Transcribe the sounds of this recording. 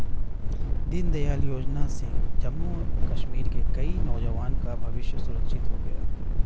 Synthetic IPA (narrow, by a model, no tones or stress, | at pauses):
d̪ɪnd̪ɐjaːljoːd͡ʒnasẽd͡ʒɐmːukɐʃmiːɾkekɐinɔːd͡ʒɐʋaːnkabʱɐʋɪʃjəsʊɾəkʃɪt̪ɦoɡɐja̰ː